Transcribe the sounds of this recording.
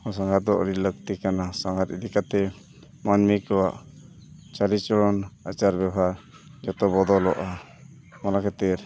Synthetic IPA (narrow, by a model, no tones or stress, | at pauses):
ɔs̬aŋɡat̪̚d̪ɔʔɾilək̚t̪ikanasaŋɡat̪id̪ikat̪ɛ | manmikɔwaʔ | t͡ʃalit͡ʃɔɽɔnat͡ʃaɾbɛbʱaɾ | d͡ʒɔt̪ɔbɔd̪ɔlɔʔa | malakɛt̪ɛɾ